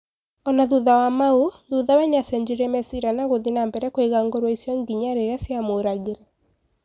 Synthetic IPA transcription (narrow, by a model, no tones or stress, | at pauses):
ɔnaðuðawamauðuðawɛɲasɛɲd͡ʒiɾɛmɛsiɾanaɣoðinambɛɾɛkoeɣaŋɡoɾwɔisjɔŋɡiɲaɾeɾasjamoɾaɣeɾɛ